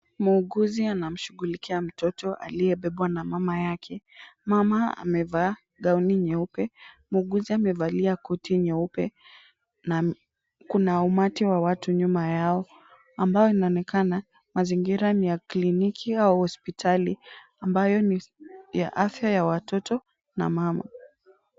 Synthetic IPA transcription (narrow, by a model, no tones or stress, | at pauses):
muːɠuzianam̩ʃuɣulikʰiam̩tɔtɔʔa̰liɛɓɛɓwanamamajakʰɛmamaa̰mɛva | ɠauniɲɛupɛ | muːɡuziamɛvaliakɔtiɲɛupɛ | na | kunaumatiwawatuɲumajaɔ | ambajɔinaɔnɛkana | maziŋɡiɾanijaklinikʰiauhɔspitʰali | ambajɔnija̰ʔafjajawatɔtɔ | na̰mama̰